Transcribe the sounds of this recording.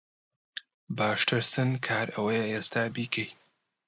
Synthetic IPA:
baːʃtʰɨɾsɨnkʰaːɾʔɐwɐjəʔeːst̪ʰaːbiːkʰej

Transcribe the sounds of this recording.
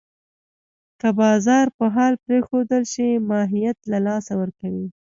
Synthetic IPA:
kəbɑzɑɾpəɦɑlpɾexod̪əlʃimɑɦijat̪lalɑsawəɾkawi

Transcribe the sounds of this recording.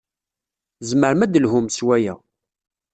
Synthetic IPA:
zməɾmæd̪əlhʊmswæjæ̰

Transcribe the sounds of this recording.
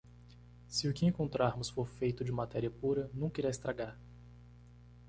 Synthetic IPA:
sɪʊkɪẽŋkõnt̪ɾaɾmʊsfoɾfejt̪ʊd͡ʒɪmat̪ɛɾiɐpuɾɐnɐ̃w̃kiɾajst̪ɾaɡaɾ

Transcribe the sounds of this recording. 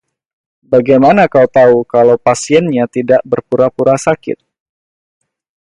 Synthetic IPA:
baɡajmanakaut̪aukalawpasiɛnɲat̪idaʔbərpuɾapuɾasakɪ̰t̪̚

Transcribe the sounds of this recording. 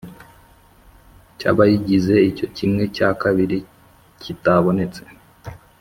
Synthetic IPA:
ca̰βajiɟize̞ico̞cimŋe̞cakaβiɾi | cʰitaβo̞ne̞t͡se̞̥

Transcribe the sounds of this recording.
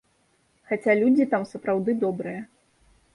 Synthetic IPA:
xat͡sʲalʲud͡zʲit̪amsɐpɾawd̪ɨd̪ɔbɾɨjɐ

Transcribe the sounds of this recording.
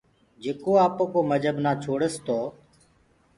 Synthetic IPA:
d͡ʒeːkoːaːpoːkoːməd͡ʒʱəbnaːt͡ʃʰoːɽəst̪oː

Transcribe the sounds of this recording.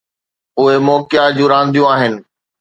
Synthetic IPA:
ʊɦemɔːkjad͡ʑũːɾãːnd̪ʱijũaːɦɪnɪ̆

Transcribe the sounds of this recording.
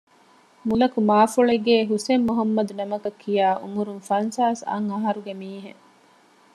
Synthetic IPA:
mulɐkumaːfuɭeɡeːɦusemːuɦɐmːɐd̪unɐmɐkɐkʰːijaːʔṵmuɾunfɐnsaːsɐ̰ŋɐɦɐɾuɡemiːɦḛ

